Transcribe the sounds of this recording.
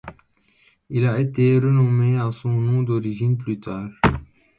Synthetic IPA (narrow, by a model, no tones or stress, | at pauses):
ilaet̪eʁənɔmeasɔ̃nɔ̃d̪ɔʁiʒinplyt̪aːʁ